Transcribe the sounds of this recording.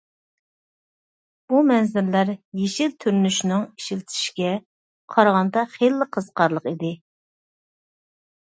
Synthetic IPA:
b̥umɛnzɪɾlæɾjeʃilt̪ʰyɾnyʃnɪŋi̥ʃilt̪ʰi̥ʃkʲɛ | qʰɑɾʁɑnd̪ɑχelːɪqʰəz̥qʰɑɾlˠəqid̪ɪ

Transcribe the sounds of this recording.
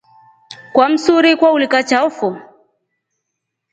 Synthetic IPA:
kwam̩suɾikwaulikat͡ʃaɔfu

